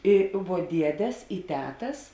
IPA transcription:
ˈɪ ʋuɔ ˈdʲiɛdʲɛs ɪ ˈtʲæːtɐs

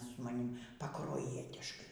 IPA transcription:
sʊ mɐˈnʲɪm pɐˈkruɔjiɛtʲɪʃkɐɪ

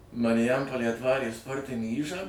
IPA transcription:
mɐrʲɪˈjɛmpoːlʲeːj ɐtˈʋɑːrʲeː ˈspoːrʲtʲɪnʲiː ˈiːʒɑː

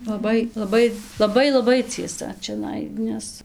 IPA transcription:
lˠɐˈbɐɪ lˠɐˈbɐɪ lˠɐˈbɐɪ lˠɐˈbɐɪ t͡sʲiɛˈsɐ t͡ʃʲɛˈnɐɪ ˈnʲɛs

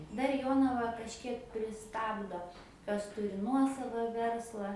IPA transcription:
dɐr ˈjoːnɐʋɐ kɐʃʲˈkʲiɛk pʲrʲɪˈstɑːbdoː ˈkɐs ˈtʊrʲɪ ˈnuɔsɐʋɐ ˈʋʲɛrslˠɐ

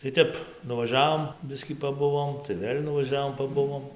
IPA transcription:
tɐɪ ˈtʲɛp nʊʋɐˈʒʲæːʋoːm ˈbʲɪsʲkʲiː pɐˈbʊʋoːm tɐɪ ˈʋʲeːlʲ nʊʋɐˈʒʲæːʋoːm pɐˈbʊʋoːm

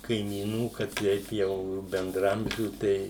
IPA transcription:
kɐɪmʲiːˈnuː kɐ ˈtʲɛɪp jɛʊ bʲɛndrɐˈɐmʲʒʲuː ˈtʲɛɪ

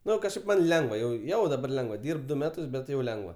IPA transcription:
ˈnʊ kɐʃˈkɐɪp mɐnʲ ˈlʲɛŋɡʋɐ jɛʊ ˈjɛʊ dɐˈbɐr ˈlʲɛŋɡʋɐ ˈdʲiːrp ˈdʊ ˈmʲæːtʊs bʲɛt ˈjɛʊ ˈlʲɛŋɡʋɐ

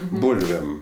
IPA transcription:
ˈbuːlʲʋʲeːm

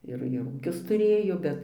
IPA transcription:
ˈɪr ɪr ˈuːkʲʊs tʊˈrʲeːjoː ˈbʲɛt

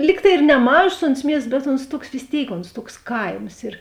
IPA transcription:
ˈlʲiːk tɐɪ ɪr nʲɛˈmɑːʒoːs oːns ˈmʲiɛsts bʲɛt oːns ˈtuɔks ʋʲɪs ˈtʲeːɪk oːnsˈtuɔks ˈkɐɪms ɪr

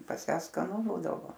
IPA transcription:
pɐs ˈjæː skɐˈnʊ ˈbuːdɐʋoː

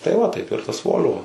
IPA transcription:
tɐɪ ˈʋɐ ˈtɐɪp ɪr tɐs ˈʋoːlʲʋoː

